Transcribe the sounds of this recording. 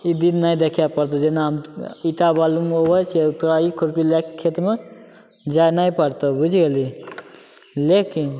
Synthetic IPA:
id̪innajd̪ekʰjapəɾt̪od͡ʒenaɦmiʈabalumobət͡ʃʰt̪uɾaikʰoɾpilekkʰːet̪me | d͡ʒajnajpəɾt̪obud͡ʒʱɡeli | lekin

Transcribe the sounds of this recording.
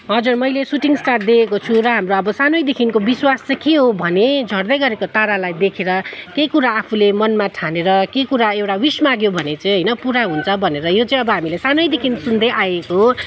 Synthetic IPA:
ɦʌd͡zurmʌjlesuʈiŋsʈar̚d̪iekot͡sʰuɾʌɦamroʌbʌsanojd̪ekʰinkobiswast͡sʌkeɦobʱʌned͡zʱʌrd̪ʌjɡʌɾekot̪aɾalajd̪ekʰeɾʌkejkuɾaːpʰulemʌnmaʈʰaneɾʌkekuɾaewʈawismaɡjobʱʌnet͡sʌj̃ɦʌjnʌpuɾaɦunt͡sʰʌbʱʌneɾʌjot͡sʌ̃ĩʌbʌɦamilesanojd̪ekʰinsund̪ʌjʔajekoɦ

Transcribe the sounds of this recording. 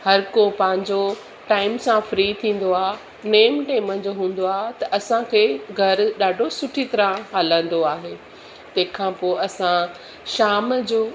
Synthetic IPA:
hɐɾkopɐ̃ɦɪ̃ɲd͡ʑo | ʈaːɪmsãfɾiːt̪ʰĩːn̆d̪oaː | neːmʈeːmə̃d͡ʑoːɦũːn̆d̪oaːɦt̪ɐʔɐsãkʰeːɡʱɐɾɗaːɖʱosʊʈʰit̪ɐɾãɦaːlə̃nd̪oaːɦeː | t̪ɐ̃ɦɪ̃kʰãpoːʔɐsã | ʃaːmd͡ʑoː

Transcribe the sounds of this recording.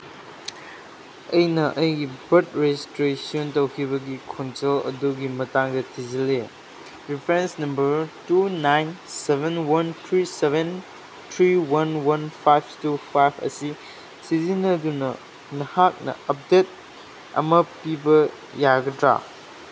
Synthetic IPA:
ɐjnɐʔɐjɡibɐt̚ɾestɾesiontɐwkʰiβɐɡikʰonselɐ̰duɡimɐtaŋdɐtʰizɐle | ɾipʰɾensnɐmbɐɾtunajnsebʱenwɐntʰɾisebʱen | tʰɾiwɐnwɐnpʰajp̚ʰtupʰajpʰɐ̰si | sizinɐdunɐ | nɐhak̚nɐ̰ɐp̚det̚ | ɐ̰mɐpibɐ | jaɡɐdɾa̰

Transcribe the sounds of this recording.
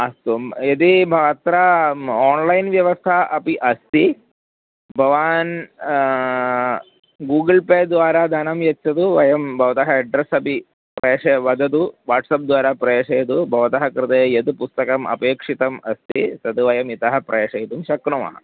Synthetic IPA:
ɐst̪umed̪ibʱɐʋɐt̪ɾɐoːnlɐjnʋjɐʋɐst̪ʰɐʔɐpiʔɐst̪ʰi | bʱɐʋaːn | ɡuːɡlpeːd̪ʋaːɾaːd̪ʱanɐmjɐt͡ʃːɐt̪uʋɐjɐmbʱɐʋɐt̪ɐɦɐɐɖɾɐsɐpi | pɾeːʂɐʋɐd̪ʱɐt̪uʋaːʈsɐp̚d̪ʋaːɾaːpɾɐeːʂɐjɐt̪ubʱɐʋɐt̪ɐɦɐkɾɨt̪ejɐt̪upust̪ɐkɐmʔɐ̰peːkʂit̪ɐmɐst̪ʰit̪ɐt̪uʋɐjɐmit̪ɐɦɐpɾɐeːʂɐjit̪umʃɐkɾɐmɐ̰ɦɐ̰

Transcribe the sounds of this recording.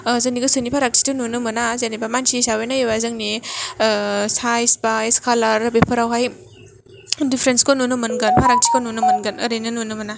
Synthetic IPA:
zɯniɡɯsɯnipʰaɾak̚t͡ʃi̥tɯnunɯmɐnazenibamansisawajnaewazɯŋni | sajsbajskʰalaɾbepʰɐɾawɦaj | dipʰɾenskonunumɐnɡɐnpʰaɾak̚t͡ʃʰi̥konunomɐnɡɐnɐɾejnɯnunɯmɐna

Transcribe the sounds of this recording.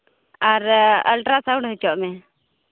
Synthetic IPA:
aɾə̰lʈɾasaw̃ɳɖɦət͡ʃɔʔmɛ

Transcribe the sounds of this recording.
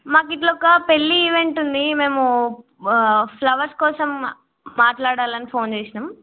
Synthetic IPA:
maːk̬iʈ̬lɔkːɐpelːiːʋe̞ɳʈund̪ime̞ːmu | pʰlɐʋɐɾskɔːsɐmː | aːʈlaːɽaːlɐnipʰo̞ːnt͡ʃeːsinam

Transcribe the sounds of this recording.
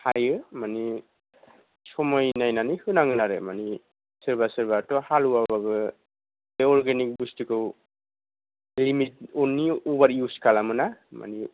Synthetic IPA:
hajɯmani | sɔmɔjnajnanihɯnaŋɯnaɾɯmani | sɯɹbasɯɹbatɔhaluwababɯ | eɔɹɡɛnik̚bustikɯw | limit̚ɔniɔbaɹjuskʰalamɯnama̰ni

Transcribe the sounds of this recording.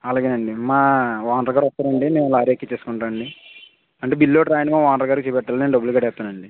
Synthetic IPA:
ɐlaːɡeːnɐɳɖimaːʋaːnɖɾɐɡaːɾɔst̪ːaːɾɐɳɖineːnlaːɾekːit͡ʃeːsu̥kuɳʈaːɐɳɖi | ɐɳʈeːbilːoʈɾaːjnimaːʋaːnɾɐɡaːɾkit͡ʃeːpɛʈːalːneːnɖɐbːulkɐɽɛːt̪ːaːnɐɳɖi

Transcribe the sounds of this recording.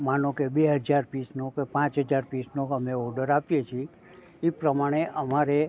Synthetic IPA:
manõkebeɦəd͡ʒaɾpisnokepãt͡ʃɦəd͡ʒaɾpisnokəmeɔɾɖəɾapjet͡ʃʰie | epɾəmaɽ̃eʔəmaɾe

